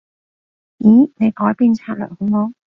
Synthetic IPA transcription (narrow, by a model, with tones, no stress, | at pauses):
iː˨˥ne˨˧jkɔː˨˥jpiː˧nt͡sʰaː˧t̚lə̰˨˩kʊ˧˥mɔː˧˥